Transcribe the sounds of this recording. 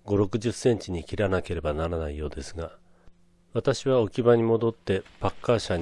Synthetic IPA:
ɡo̞ɾo̞kɯ̟ʑɨsːẽ̞ɲ̟t͡ɕiɲ̟ikʲiɾanake̞ɾe̞banaɾanaijo̞ːd̪e̞sɨɡa | βat̪aɕiβao̞kʲibaɲ̟imo̞d̪o̞t̪ːe̞pakːaɕaɲ

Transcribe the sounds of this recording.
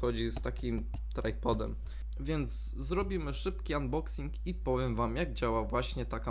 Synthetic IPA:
xɔd͡ʑist̪akʲim | t̪ɾajpɔd̪ɛ̰m | vʲjɛnd̪z | zɾɔbʲimɘʂɘpkʲiand̪bɔksʲiŋkipɔvʲjɛmvamjaɡ̚d͡ʑawavwaɕɲɛt̪aka

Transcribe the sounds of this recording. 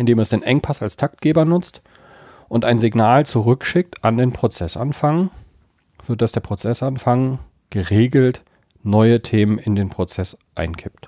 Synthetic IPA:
ʔɪndeːmɛsd̥eːnʔɛŋpʰasalstʰak̚t̚ɡ̥eːbɐnʊt͡st | ʔʊntaɪnzɪɡnaːlt͡suʁʏkʃɪk̚tʰʔandeːnpʁ̥ot͡sɛsʔa̰nfaŋ | z̥oːd̥asd̥eːɐpʁ̥ot͡sɛsanfaŋ | ɡ̥əʁeːɡl̩t | nɔʏətʰeːmənɪndeːnpʁ̥ot͡sɛsʔaɪnkʰɪpt

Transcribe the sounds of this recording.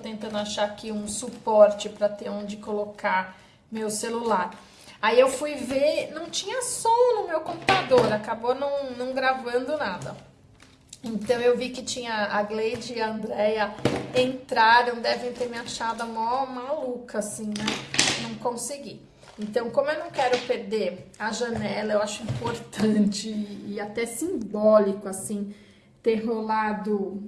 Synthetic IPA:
ot̪ẽnt̪ɐ̃nd̪ʊaʃakɪũsupɔɾt͡ʃɪpɾɐt̪eõd͡ʒɪkoloka | mewselulaɾ | aiewfujveɾnɐ̃w̃t͡ʃĩɲɐsɔnʊmewkõmput̪ad̪oɾakabonɐ̃w̃nɐ̃w̃ɡɾavɐ̃nd̪ʊnad̪ɐ̰ | ẽnt̪ɐ̃w̃ewvikɪt͡ʃĩɲɐːɡlejd͡ʒɪiɐ̃nd̪ɾɛjɐẽnt̪ɾaɾɐ̃w̃d̪ɛvẽj̃t̪eɾmĩɲɐt͡ʃad̪ɐmawmalukɐːsĩnɛnɐ̃w̃kõsɪɡi | ẽnt̪ɐ̃w̃kõmʊewnɐ̃w̃kɛɾʊpeɾd̪eaʒɐnɛlɐewaʃʊĩmpoɾt̪ɐ̃t͡ʃɪːat̪ɛsĩbɔlikʊasĩ | t̪eɦolad̪ʊ

